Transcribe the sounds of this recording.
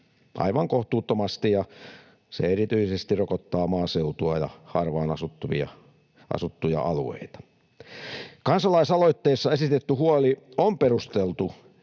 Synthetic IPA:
ʔɑ̰iʋɑŋkoht̪uːt̪ːomɑst̪ijɑ | sḛerit̪yisest̪irokot̪ːɑːmɑːseut̪uɑjɑ̰hɑ̰rʋɑːnɑsut̪ːuʋḭɑ̰ | ʔɑ̰sut̪ːujɑ̰ʔɑluḛit̪ɑ̥ | kɑnsɑlɑisɑloit̪ːeːsːɑesit̪et̪ːyhuoliomperust̪elt̪u

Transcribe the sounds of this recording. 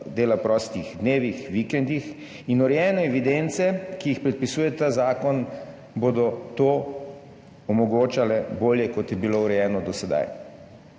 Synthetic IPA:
d̪eːlapɾɔːst̪ixd̪neːʋixʋikɛnd̪ix | inɔɾɛjɛːnɛɛʋid̪ent̪sɛkijixpɾɛt̪̚pisuːjɛt̪aːzaːkɔn | bod̪ɔt̪oː | ɔmɔɡoːt͡ʃalɛboːljɛkɔt̪jɛbilowɾɛjɛːnɔd̪ɔsɛd̪a̰j

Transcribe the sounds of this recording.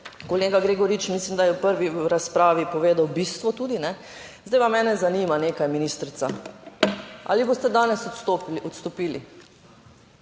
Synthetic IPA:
koleːɡaɡɾeːɡɔɾit͡ʃmislimd̪ajɛwpəɾʋiɾaspɾaːʋipɔʋeːd̪awbist̪ʋɔt̪uːd̪inɛ | zd̪ajʋamɛːnɛzaniːmaneːkajminiːst̪ɾit̪sa | ʔa̰ːliboːst̪ɛd̪aːnɛsɔt̪st̪oɔt̪st̪ɔpiːli

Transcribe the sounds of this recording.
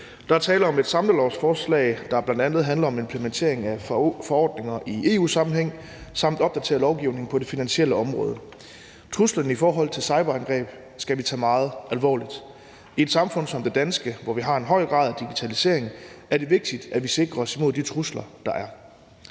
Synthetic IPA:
d̥ɑ̈æɐt͡sʰɛːlɐɒ̽me̝d̥sɑ̈mləlɒʊsfɒːslɛ̰ɪd̥ɑ̈æb̥lænd̥ænð̞̩ˠɦænlɐɒ̽me̝mpʰlement͡sʰe̝̰ɐe̝ŋæfɒ̽ɒ̰ːd̥ne̝ŋɐʔiʔe̝̰ːṵːsɑ̈mm̩n̩ɦeŋ̰ | sɑ̈m̰d̥ɒ̽b̥̚d̥æt͡sʰe̝ːɐlɒʊɡ̥iʊne̝ŋ̩pʰɒ̽d̥e̝finænɕiel̰əɒ̽mʁɔ̽ːð̞ˠə | t͡sʰʁuslɐnəifɒːɦɒ̽l̰ˠt͡sʰe̝lsɑ̈ɪb̥ɐænɡ̥ʁɛ̰ːb̥ | sɡ̥æʋit͡sʰɛːmɑ̈ːð̞̩ˠʔælʋɒ̰ːlid̥ | ie̝d̥sɑ̈mfɔ̽n̰sɒ̽md̥e̝d̥ænsɡ̥əʋɒʋiɦɑ̈e̝nɦɒ̽ɪ̰ɡ̥ʁɑ̈ðˠd̥iɡ̥i̥t͡sʰælise̝ɐ̰e̝ŋæɐd̥e̝ʋe̝ɡ̥̚d̥id̥æʋise̝ɡ̥ʁɐɒ̽simo̝ðˠd̥it͡sʰʁuslɐd̥ɑ̈ʔæɐ

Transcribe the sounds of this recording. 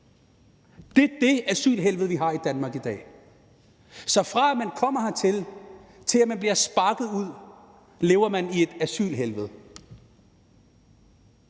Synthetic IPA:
d̥e̝d̥e̝æsy̰ːlɦelʋð̩ˠʋiɦɑ̈id̥ænmɑ̈ːɡ̥id̥ɛ̰ː | sɒ̽fʁɑ̈æmænkʰɒ̽m̰ɐhɑ̈t͡sʰe̝l | t͡sʰe̝læmænb̥liɐsb̥ɑ̈ɡ̥ð̩ˠuð̰ˠ | le̝ːʊɐmænie̝d̥æsy̰ːlɦelʋð̞̩ˠ

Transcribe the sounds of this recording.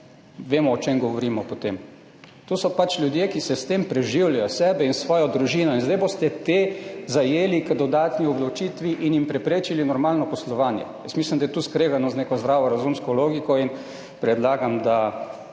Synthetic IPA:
ʋeːmɔɔt͡ʃemɡɔʋɔɾiːmɔpɔt̪eːm | t̪osɔpat͡ʃlʲjud̪jekisɛst̪empɾɛʒiwljajɔsɛːbɛinsʋɔːjɔd̪ɾuʒiːnɔinzd̪ajbost̪ɛt̪ezajeːlikəd̪ɔd̪aːt̪niɔb̪lawt͡ʃiːt̪ʋiʔinjimpɾɛpɾeːt͡ʃilinɔɾmaːlnɔpɔslɔʋaːnjɛ̰jəsmislimd̪ajɛt̪uskɾeːɡanɔzneːkɔzd̪ɾaːʋɔɾazumskɔloːɡikɔin | pɾɛd̪laːɡamd̪a

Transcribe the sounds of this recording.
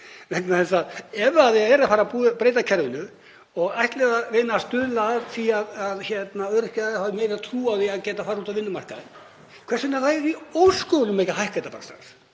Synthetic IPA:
vɛknaθɛsaɛvaːðaɛɾafaːɾapuːðpɾeːjt̪acʰɛɾvʏnʏ | ɔɣajht̪lɛːɣavɪnːast̪ʏðlaðθiaðaðçɛt̪naœɾ̥hcahavmeːjɾat̪ʰɾuːaðiaðcɛːt̪afaːɾuːt̪avɪnːʏmar̥kaðɪn | kʰvɛrsɪnaθaɛɾiowskɔːwlʏmːejcaɦajhkajt̪apa̰ɾast̪ɾa̰ns

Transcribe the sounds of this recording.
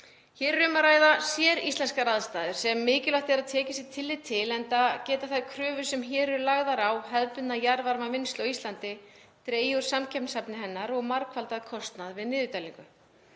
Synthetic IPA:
çɛːɾʏːmaɾaːjðasjɛɾist̪ɛnskaɾaðst̪aːðʏɾ̥sɛmːɪːcɪlaht̪ɛɾaðt̪ʰɛːcɪsɪt̪ʰɪlːɪt̪ʰːɪlɛnt̪acɛːt̪aθajkʰɾœːvʏsɛmçɛːɾʏɾlaɣðaɾawɦɛðpʏnnajaɾvaɾmavɪnst̪lɔwist̪lant̪ɪ | t̪ɾeːjuɾ̥samcʰɛpnsapnɪɦɛnːaɾɔɣmaɾkʰvalt̪aðkʰɔst̪naðvɪðnɪːðʏt̪ajliŋkʏ

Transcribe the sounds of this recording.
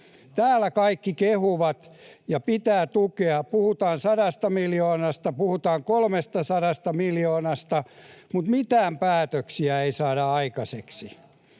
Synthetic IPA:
t̪æːlækɑikːikehuʋɑt̪jɑpit̪æːt̪ukeɑpuhut̪ɑːnsɑɾɑst̪ɑmiljoːnɑst̪ɑpuhut̪ɑːŋkolmest̪ɑsɑɾɑst̪ɑmiljoːnɑst̪ɑmut̪mit̪æːmpæːt̪øksiæeisɑːdɑɑikɑseksi

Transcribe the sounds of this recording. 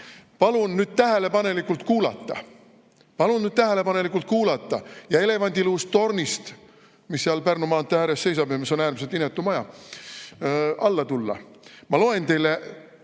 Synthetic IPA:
pɑlunnyːd̪̥̚t̪æɦe̞le̞pɑne̞likːult̪kuːlɑ̰t̪ːˑɑ̰ | pɑlunnyːd̥̪̚t̪æɦe̞le̞pɑne̞likːˑult̪̚kuːlɑt̪ˑːɑjɑe̞le̞vɑnʲd̪̥ʲiluːstt̪ːo̞rnist̪ | misːiɑlpærnumɑːnt̪ːˑeæɾest̪se̞jsɑbjɑmiso̞næːrmiset̪ːinːet̪ːˑumɑjɑ | ʔɑlːɑt̪ulːɑ̰mɑlo̞e̞nt̪e̞jle

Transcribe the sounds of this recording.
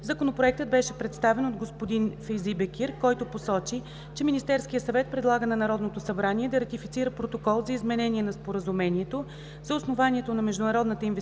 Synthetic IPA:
zɐkonopɾoɛk̚t̪əd̪̚bɛʃɛpɾɛt̪st̪avɛnod̪ɡospod̪infɛjzibɛkʲiɾkɔjt̪oposɔt͡ʃi | t͡ʃɛminist̪ɛɾskijəsɐvɛt̪̚pɾɛd̪lˠaɡənɐnɐɾɔd̪not̪osɐbɾanʲiɛd̪ɐɾɐt̪ifit̪siɾəpɾot̪okɔlˠzɐizmɛnɛnʲiɛnɐspoɾəzumɛniɛt̪o | zɐosnovaniɛt̪onɐmɛʒd̪ʊnɐɾɔd̪nət̪əinvɛ

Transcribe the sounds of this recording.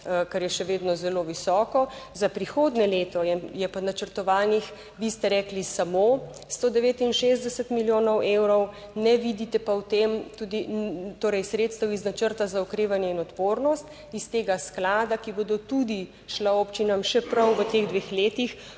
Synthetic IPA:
kaɾjɛʃɛʋeːd̪nɔzɛloʋisɔːkɔzapɾixoːd̪nɛleːt̪ɔjɛjɛpanat͡ʃəɾt̪ɔʋaːnix | ʋist̪ɛɾɛːklisamo | st̪oːd̪ɛʋeːt̪inʃezd̪ɛsət̪miljoːnɔwewɾɔw | nɛʋid̪it̪ɛpawt̪emt̪ud̪it̪oːɾɛjsɾeːt̪st̪əwiznat͡ʃəɾt̪azaukɾeːʋanjɛinɔt̪poːɾnɔst̪ | ist̪eːɡasklaːd̪akibod̪ɔt̪ud̪i | ʃlaoːpt͡ʃinamʃɛpɾɐwʋət̪eɣd̪ʋeːxleːt̪ix

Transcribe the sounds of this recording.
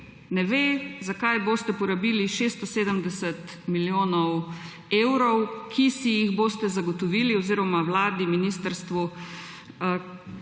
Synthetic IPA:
nɛʋezakajboːst̪ɛpɔɾabiliʃest̪ɔseːd̪əmd̪ɛsət̪ | miljoːnɔw | eːwɾɔwkʰisijiɣboːst̪ɛzaɡɔt̪ɔʋiːliɔziɾɔmawlaːd̪iminiːst̪əɾst̪ʋu

